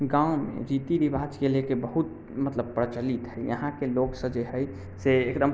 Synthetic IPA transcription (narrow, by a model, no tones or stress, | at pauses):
ɡãũmḛ̃ɾit̪iɾibʱad͡ʒkelekebəɦut̪̚ | mət̪ləbpɾət͡ʃəlit̪ɦəjjə̰ɦãkeloɡsə̃d͡ʒeɦəj | seekd̪əm